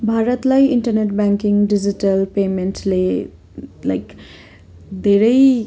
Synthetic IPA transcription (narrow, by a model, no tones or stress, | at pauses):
bʱaɾət̪lajinʈɐɾneʈbaŋkiŋɖid͡ʒitɐlpementle | lajk | d̪eɾej